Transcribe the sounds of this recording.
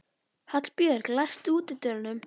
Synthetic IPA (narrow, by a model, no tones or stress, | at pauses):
hat̪lpjœɾklajst̪uːt̪ɪt̪œɾnʏm